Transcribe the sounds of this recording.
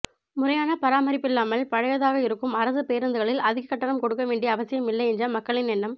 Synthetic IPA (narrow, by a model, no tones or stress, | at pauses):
mʊrɐjaːnɐpɐɾaːmɐɾɪpːɪlːaːmɐlpɐɻɐjɐðaːɣɐɪɾɯkːɯmɐɾɐsɯpeːɾɐnd̪ɯɣɐɭɪlɐðɪɣɐkːɐʈːɐɳɐmkɔɽɯkːɐʋeːɳɖiɐɐʋɐsɪjɐmɪlːɐɪɛndd͡ʒrɐmɐkːɐɭɪnɛnːɐm